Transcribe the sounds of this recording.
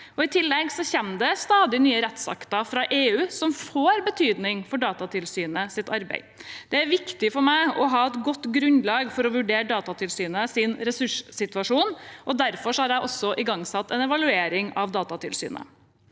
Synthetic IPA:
ɔɪt̪ʰɪlːɛɡsɔçɛmd̪ɛst̪ɑːd̪ɪnyːəɾɛt̪sɑ̰kt̪ɑfɾɑʔeːʉːsɔmfoːɾbət̪ʰyːd̪nɪŋfɔɖɑːt̪ɑt̪ʰɪlsyːnəsɪt̪ʰɑɾbæ̰ɪd̪̥ɛæɾʋɪkt̪ɪfɔɾmæɪɔɦɑːɛt̪ɡɔt̪ːɡɾʉnlɑːɡfɔɾɔʋʉɖeːɾɖɑːt̪ɑt̪ʰɪlsyːnəsɪnɾɛsʉʂsɪt̪ʉɑʂuːnʔɔd̪æɾfɔʂɔhɑɾjæɪʔɔsːɔʔɪɡɑŋsɑt̪ːɛnɛʋɑlʉeːɾɪŋɑʋd̪ɑːt̪ɑt̪ʰɪlsy̰ːnə̰

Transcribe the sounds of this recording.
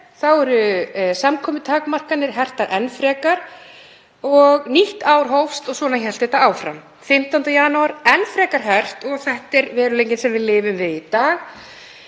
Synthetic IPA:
θawɛɾʏsamkʰɔːmɪt̪ʰaːkmar̥kanːɪɾ̥ɦɛr̥t̪aɾʔɛnːfɾɛːkaɾ̥ | ɔɣniht̪aːwɾ̥ɦowfst̪ɔɣswɔːnançɛl̥t̪ɪɛt̪aaːwfɾa̰m | fɪm̥t̪awnt̪ajanuaɾɛnfɾɛːkaɾ̥ɦɛr̥t̪ɔɣθɛht̪ɛɾvɛːɾʏlejɲcɪnsɛmvɪðlɪːvʏmvɪðit̪aːɣ

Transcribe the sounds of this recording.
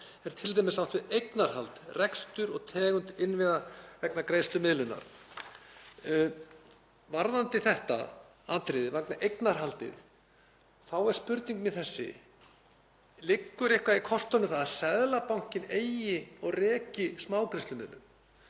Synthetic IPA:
ɛɾ̥t̪ʰɪlt̪ajmɪsaw̥t̪vɪðejknaɾ̥halt̪rɛkst̪ʏɾɔɣt̪ʰɛːɣʏnt̪ɪnːvɪðavɛknakɾejst̪ʏmɪðlʏnːa̰ɾ̥ | vaɾðant̪ɪθɛht̪a̰ | aːt̪ɾɪðɪvaknaʔejknaɾ̥ɦalt̪ɪ̰ð | θawɛɾ̥spʏɾt̪niŋkmɪθɛsːɪ̰ | lɪkːʏɾehkvaikʰɔr̥t̪ɔnːʏθaðasɛðlapawŋ̥cɪneːjɪɔɣrɛːcɪsmaːwkɾɪst̪lʏmɪ̰ðlʏ̰m

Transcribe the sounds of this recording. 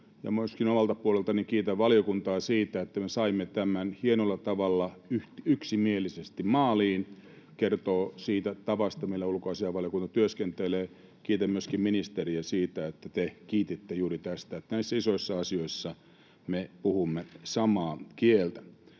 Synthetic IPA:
jɑ̰myøskinomɑlt̪ɑpuolelt̪ɑnikiːt̪æʋʋɑljokunt̪ɑːsiːt̪æet̪ːæmesɑimːet̪æmænhienolːɑt̪ɑʋɑlːɑyht̪yksimielisest̪immɑːliːn | kert̪oːsiːt̪æt̪ɑʋɑst̪ɑmilːæulkoɑsiɑʋɑljokunt̪ɑt̪yøskent̪eleː | kiːt̪æmmyøskimminist̪eriæsiːt̪æet̪ːæt̪ekiːt̪it̪ːejuːɾit̪æst̪æet̪næisːæisoisːɑɑsioisːɑ | mepuhumːesɑmɑːkielt̪æ̥

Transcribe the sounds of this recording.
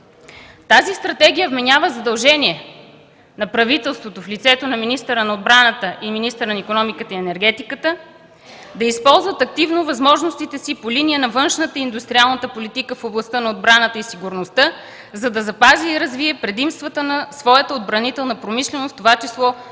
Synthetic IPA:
t̪azist̪ɾɐt̪ɛɡ̟ijəvmɛnʲavəzɐd̪ɐlˠʒɛniɛ | nɐpɾɐvit̪ɛlˠst̪vot̪oflit̪sɛt̪onɐminist̪əɾənɐod̪bɾanət̪əʔiminist̪əɾənɐikonɔmikət̪əiɛnɛɾɡɛt̪ikət̪ə | d̪ɐispɔlˠzvɐt̪ɐk̚t̪ivnovɐzmɔʒnost̪it̪ɛsipoliniənɐvɤnʃnət̪əind̪ust̪ɾʲialˠnət̪əpolit̪ikəfoblˠɐst̪ənɐod̪̚bɾanət̪əisiɡuɾnost̪ə | zɐd̪ɐzɐpaziːɾɐzviɛpɾɛd̪imst̪vət̪ənɐsvɔjət̪əod̪̚bɾɐnit̪ɛlˠnəpɾomiʃlɛnost̪ovat͡ʃislˠɔ

